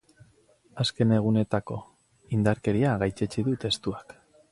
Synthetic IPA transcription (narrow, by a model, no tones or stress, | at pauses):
aske̞ne̞ɣ̞une̞t̪ako̞̰ | ind̪aɾke̞ɾiaɣajt͡ʃet͡ʃiðut̪e̞st̪uak